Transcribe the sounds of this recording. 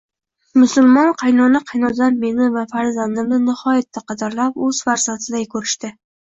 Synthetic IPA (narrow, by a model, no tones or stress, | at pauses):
mʊsʊlˠmɒnqʰɑjnɒnɪqʰɑjnɒd̪anme̞nɪvafaɾzand̪ɪmnɪnɪhɒjat̪ʰːaqʰɑd̪aɾlapɵz̥faɾsat̪ʰɪd̪ajkʰɵɾɪʃt̪ɪ